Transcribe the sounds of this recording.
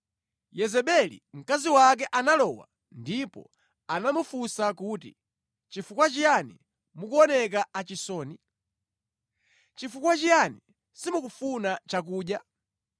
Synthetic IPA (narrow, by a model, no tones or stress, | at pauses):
jɛzɛɓɛlḭm̩kaziwak̬ɛʔanalɔwa̰ | ndipɔ̰ | anamufusakuːti | t͡ʃifukwat͡ʃijanḭ | mukuɔnɛk̬aat͡ʃisɔːni | t͡ʃifukwat͡ʃijani | simukufunat͡ʃak̬uːɗja